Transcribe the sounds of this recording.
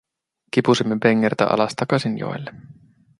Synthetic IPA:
k̟ipusimːepeŋːert̪æ̰ʔɑ̰lɑst̪ɑkɑsinjo̰elːe

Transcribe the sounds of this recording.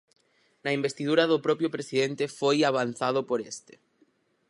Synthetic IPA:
naimbest̪iðuɾaðopɾɔpjopɾesiðent̪efojaβ̞an̟θað̞opoɾest̪e̥

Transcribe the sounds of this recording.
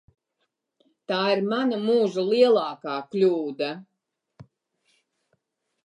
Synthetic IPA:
t̪aːiɾmanamuːʒulˠiɛlˠaːkaːklʲuːd̪a

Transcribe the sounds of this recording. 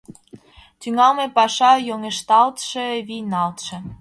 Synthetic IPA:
t̪yŋɑlmepɑʃɑjoŋeʃt̪ɑlt̪ʃĕβijnɑlt̪ʃĕ

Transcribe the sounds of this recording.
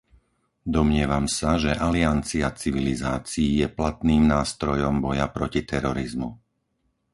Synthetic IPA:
d̪ɔmɲɪɛʋamsaʒɛʔaliant͡siat͡siʋilizaːt͡siːjɛplat̪niːmnaːst̪ɾɔjɔmbɔjapɾɔcit̪ɛɾɔɾizmu

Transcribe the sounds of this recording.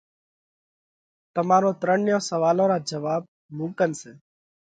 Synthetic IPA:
t̪əmaːɾõːt̪ɾəɳɪjõːsəʋaːlõːɾaːd͡ʒəʋaːb̚ | mũːkənseː

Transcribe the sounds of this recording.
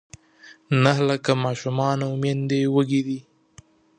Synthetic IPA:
naɦlakamɑːʃumɑːnaʊmend̪ewəɡid̪i

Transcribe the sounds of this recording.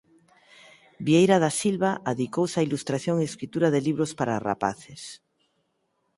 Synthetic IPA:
bjejɾaðasilβaʔaðikowsailust̪ɾaθjoŋeskɾit̪uɾaðeliβɾospaɾa̰ra̰pa̰θes

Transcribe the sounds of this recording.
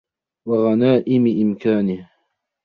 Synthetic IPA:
waɣanaːʔɪmɪʔɪmkaːnɪh

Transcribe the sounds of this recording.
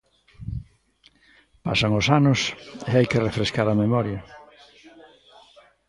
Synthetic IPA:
pa̰saŋosanʊseajkerefɾeskaɾɐmemɔɾjɐ

